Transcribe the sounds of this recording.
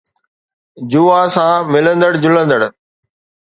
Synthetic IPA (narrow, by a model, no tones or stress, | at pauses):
d͡ʑuːaːsãːmɪlə̃nd̪əɽd͡ʑʊlə̃nd̪əɽ